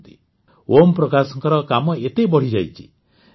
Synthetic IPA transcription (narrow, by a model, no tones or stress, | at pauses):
t̪i | ʔompɾɔkasɔŋkɔɾɔkamɔet̪ebɔɽ̤id͡ʒajt͡ʃʰi̥